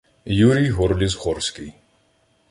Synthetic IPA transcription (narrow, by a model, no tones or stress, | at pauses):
juɾiɦɔɾlizχɔɾskʲi